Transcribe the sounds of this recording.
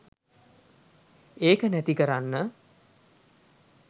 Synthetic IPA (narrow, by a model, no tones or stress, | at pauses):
eːkənæt̪ikəɾanːə